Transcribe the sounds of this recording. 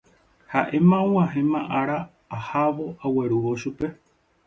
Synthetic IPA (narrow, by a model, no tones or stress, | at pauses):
haʔe̞mãũw̃ãɦẽmãʔaɾaː | haʋo̞ʔawe̞ɾuʋoʃupe̞